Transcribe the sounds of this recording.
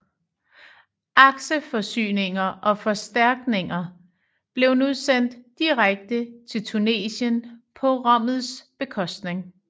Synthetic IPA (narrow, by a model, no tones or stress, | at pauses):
ʔɑ̈ɡ̥ɕəfɒ̽sy̰ːne̝ŋɐʔɒ̽fɒ̽sd̥æɐɡ̥ne̝ŋɐ | b̥le̝ʊnuðˠsen̰d̥ːiʁaɡ̥̚d̥ət͡sʰe̝lt͡sʰune̝̰ːɕənpʰɒ̽ʁɑ̽m̰ð̞̩ˠsb̥e̝kʰɒ̽sd̥ne̝ŋ